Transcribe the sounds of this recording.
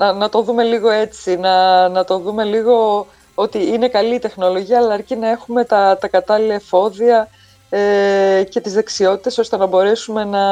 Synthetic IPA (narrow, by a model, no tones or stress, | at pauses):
nɐnɐt̪o̞ðume̞liɣo̞e̞t͡sinɐnɐt̪o̞ðume̞liɣo̞ | o̞t̪iine̞kɐlit̪e̞xno̞lo̞ʝiɐːlɐːɾcinɐe̞xume̞t̪ɐt̪ɐkɐt̪ɐlilɐefo̞ðiɐ | ece̞t̪izðe̞ksio̞t̪i̥t̪e̞so̞st̪e̞nɐbo̞ɾe̞sume̞nɐ